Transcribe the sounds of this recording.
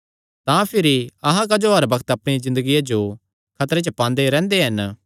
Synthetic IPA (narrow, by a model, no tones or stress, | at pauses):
t̪ãpʰɪɾiɐɦãk̬ɐd͡ʒoɦɐɾbɐkət̪ɐpɽ̃ezɪ̃nd̪əɡijad͡ʒo | kʰɐt̪ɾet͡ʃəpãːnd̪eɾɛ̃ːnd̪eɦɐn